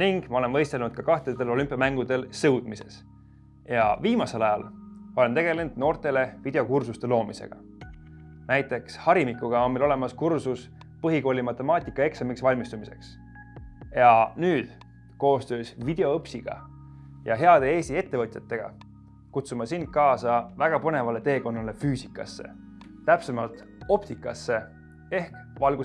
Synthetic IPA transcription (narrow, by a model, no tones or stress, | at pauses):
niŋɡ̥mɑo̞le̞nvɤjst̪e̞lnud̪̥̚kɑkɑht̪et̪ːe̞lo̞lʲympˑijɑmæŋɡ̥ud̪̥e̞lsɤwd̪̥mise̞̰s | jɑviːmɑse̞lɑjɑ̰lo̞lent̪e̞ɡ̥ele̞nd̪̥no̞ːrt̪e̞le̞vid̪e̞o̞kursust̪e̞lo̞ːmise̞̰ɡ̥ɑ̰ | næjt̪ːˑe̞kshɑɾimikˑːuɡ̥ɑo̞nmelo̞le̞mɑskursus | pɤɦiko̞ːlʲimɑt̪ːˑe̞mɑːt̪ʲˑikːˑɑe̞ksɑmiksvɑlʲmist̪umise̞̰ks | jɑnyːd̪̥ | ko̞ːst̪ø̞ːsvid̪̥e̞o̞ɤpsiɡ̥ɑ̰ | jɑɦe̞ɑd̪̥ee̞ːsie̞t̪ːe̞vɤt̪ʲˑjɑt̪ːe̞ɡ̥ɑ̰ | kut̪sumɑsind̪̥̚kɑːsɑvæɡ̥ɑpɤne̞vɑle̞t̪e̞ːko̞nːɑle̞fyːsikːˑɑ̰sːe̞̰ | t̪æpsemɑlt̪ | o̞p̚t̪ikːˑɑsːe̞ | e̞hkvɑlɡ̥u